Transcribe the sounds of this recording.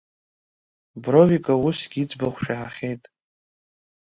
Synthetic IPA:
brovikʼawusɡʲit͡sʼbaχʷʃᶣaħaχʲejtʼ

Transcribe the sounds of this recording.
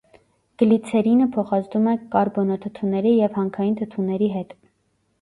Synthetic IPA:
ɡ̥əlit͡sʰɛɾinəpʰɔχɑt͡sd̪umɛkɑɾbɔnɔt̪ʰət̪ʰunɛɾijɛvhɑŋkʰɑjint̪ʰət̪ʰunɛɾiɦɛt̪

